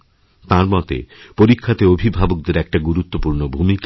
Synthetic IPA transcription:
t̪ãɾmɔt̪ḛpoɾikʰːat̪eobʱibʱabok̚d̪eɾɛk̚ʈaɡuɾut̪ːopuɾnobʱumika

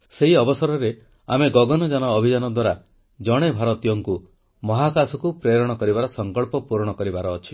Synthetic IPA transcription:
seɦiɔbɔsɔɾɔɾe | a̰meɡɔɡɔnɔd͡ʒanɔːbʱid͡ʒanɔd̪waɾa | d͡ʒɔɽ̃ebʱaɾɔt̪ijɔŋku | mɔɦakasɔkupɾeɾɔɽ̃ɔkɔɾibaɾɔsɔŋkɔɭpɔpuɾɽ̃ɔkɔɾibaɾɔːt͡ʃʰi

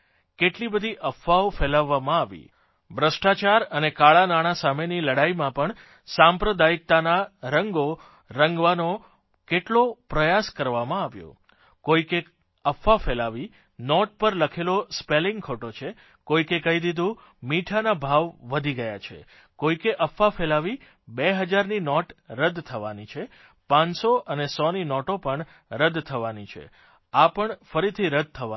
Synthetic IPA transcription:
keʈlibəd̪ʱiʔəfːaofelaʋːamãaʋḭ | bɾəsʈat͡ʃaɾənekaɭanaɽ̃asameniləɽaimãpəɳ | sãmpɾəd̪aik̚t̪anaɾəŋɡo | ɾəŋɡʋano | keʈlopɾəjaskəɾʋamãaʋjo̰ | koike | əfːafelaʋi | nɔʈ̚pəɾləkʰelospelɪŋɡkʰoʈot͡ʃʰe | koikekəɦid̪id̪ʱũ | miʈʰanabʱaʋːəd̪ʱiɡəja̰t͡ʃʰḛ | koikeʔəfːafelaʋi | beɦəd͡ʒaɾninɔʈɾəd̪t̪ʰəʋanit͡ʃʰe | pãnsoʔənesɔninɔʈopəɳ | ɾəd̪t̪ʰəʋanit͡ʃʰḛ | apəɳfəɾit̪ʰiɾəd̪̚ʱt̪ʰəa

